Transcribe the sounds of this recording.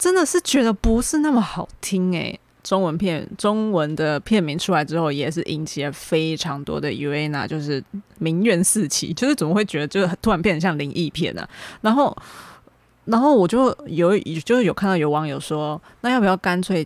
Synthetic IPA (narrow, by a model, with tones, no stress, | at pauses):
ʈ͡ʂə˦˥nd̪ə˨ʂɻ̩˥˩t͡ɕɥɛ˧˥d̪ə˧pu˧˦ʂɻ̩˥˧na˥˩mə˩xɑ˨˩ʊt̪ʰi˥ŋḛ˨˩ɪ | ʈ͡ʂʊ˥ŋwə˧˦npʰjɛ˥˩nʈ͡ʂʊ˥ŋwə˧˦nd̪ə˨pʰjɛ˥˩nmi˧˥ŋʈ͡ʂʰu˥la˧ɪʈ͡ʂɻ̩˥xo˥˩ʊjɛ˨˩ʂ̬ɻ̩˥˩ʔi˧˥ŋt͡ɕʰi˨ɛ˧fe˥ɪʈ͡ʂʰɑ˧˥ŋt̪wɔ̰˥d̪ə˨ḭ˨˩we˥˩ɪna̰˨˩t͡ɕjo˥˧ʊʂɻ̩˥˩mi˧˥ŋɥɛ˧˥nsɹ̩˥˧t͡ɕʰḭ˧˥˦t͡ɕjo˥˧ʊʂɻ̩˥˩t͡sə˨˩mə˦˥xwe˥˩ɪt͡ɕɥɛ˧˥d̪ə˧t͡ɕjo˥˧ʊ˥˩˨nt̪ʰu˥˩a˧˦npʰjɛ˥˧n˨˩ɕjɑ˥˩ŋli˧˥ŋʔi˥˧pʰjɛ̰˥˩nə̰˩na˧˥nxo˥˩ʊ | na˧˥nxo˥˩ʊwɔ˨˩t͡ɕjo˥˩ʊjo˨˩ʊ˨˩t͡ɕjo˥˧ʊʂɻ̩˥˩o˨ʊka˥˧t̪ɑ˥˩jo˧˥ʊwɑ˧˥ŋjo˨˩ʊʂɔ˥˦na˥˧jɑ˥˩pu˨˩jɑ˥˩ʊka˥nt͡sʰwe˥˩ɪ